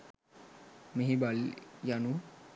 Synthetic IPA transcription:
meɦibaljanu

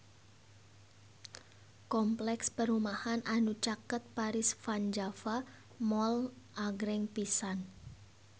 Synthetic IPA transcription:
kɔmplɛkspəɾumahananut͡ʃakət̪̚paɾɪsfand͡ʒafa | mɔl | ʔaɡɾɛŋpisan

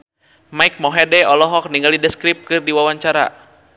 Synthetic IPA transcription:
maik̚mɔɦɛdɛɔlɔɦɔk̚niŋɡalidɛskɾip̚kɨrdiwawaɲt͡ʃaɾa̰

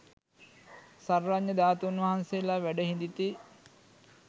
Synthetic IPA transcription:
sarʋaɲːəd̪aːt̪uunʋɐɦansejəlaʋæɖəɦind̪it̪i

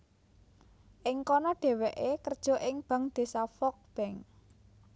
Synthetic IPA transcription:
ʔɪŋkɔnɔɖ̥e̤wɛʔekərd̥ʒ̥ɔ̤ʔɪŋb̥ä̤ŋd̪̥e̤safɔk̚b̥ɛŋ

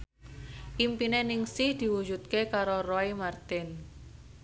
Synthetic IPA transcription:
ʔimpinenɪŋsɪhd̪̥i̤wu̥d͡ʒut̪̚kekaɾoroimart̪ɪn

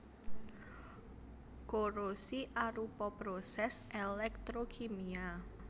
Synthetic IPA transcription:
koɾosiʔaɾupɔpɾosɛsʔelɛk̚t̪ɾokʰemia

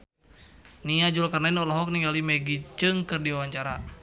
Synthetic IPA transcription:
niad͡ʒulkarnainɔlɔɦɔk̚niŋalimɛɡit͡ʃɨŋkɨrdiawaɲt͡ʃaɾa

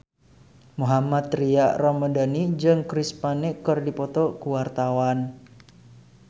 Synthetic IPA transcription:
muɦamat̪riaʔrɔmədanid͡ʒɨŋkɾispanikɨrdipɔt̪ɔkuwart̪awan

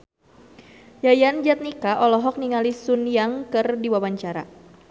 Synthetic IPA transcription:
jajand͡ʒat̪̚nikaʔɔlɔɦɔk̚niŋalisunjaŋkɨrdiwawaɲt͡ʃaɾa̰

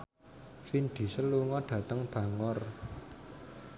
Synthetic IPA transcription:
finɖ̪̥i̤səluŋɔɖ̥ä̤t̪əŋb̥ä̤ŋɔr

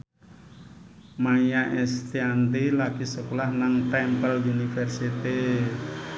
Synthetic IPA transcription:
maijaʔɛst̪iand̪ilaɡ̥isəkolahnaŋt̪ɛmpəlunifɛrsit̪i

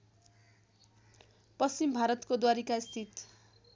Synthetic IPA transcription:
pʌst͡ɕimbʱaɾʌt̪kod̪waɾikast̪ʰit̪

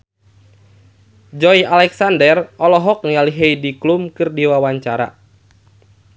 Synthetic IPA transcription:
d͡ʒɔjalɛksandɛrɔlɔɦɔk̚nialiɦejdiklumkɨrdiwawaɲt͡ʃaɾa̰

